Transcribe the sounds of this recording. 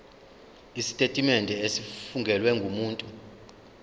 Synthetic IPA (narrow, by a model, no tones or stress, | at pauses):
isi̥tʼetʼimɛndʱɛesifuŋɡʱɛlwɛŋɡʱumuːntʼu